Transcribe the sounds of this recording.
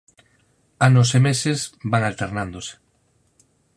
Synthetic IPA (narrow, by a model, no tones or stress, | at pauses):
anosemesezbaŋalt̪eɾnand̪ose̥